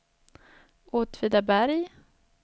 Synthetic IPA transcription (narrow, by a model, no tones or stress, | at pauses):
ʔoːt̪ʰviːd̪abæɾj